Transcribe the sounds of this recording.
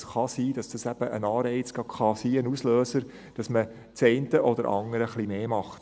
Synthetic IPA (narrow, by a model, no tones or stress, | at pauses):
sχɑsiːd̥ɑsd̥ɑsæb̥əʔənɑːɾɛɪt͡sɡ̥ɑkʰχɑsiːənusløːsəɾ | d̥ɑsmə | t͡sɛɪntəʔɔd̥̪əɾʔɑ̰ŋəɾəχlimeːmɑχt